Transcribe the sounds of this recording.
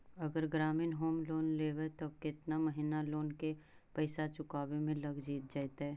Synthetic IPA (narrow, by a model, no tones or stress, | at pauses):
ɐɡəɾɡɾaːmɪnɦoːmloːnleːʋet̪okɪt̪namɐɦɪnaloːnkepɐɪsat͡ʃʊkaːbemẽlɐɡd͡ʒiːt̪̚d͡ʒaːt̪ɦɛː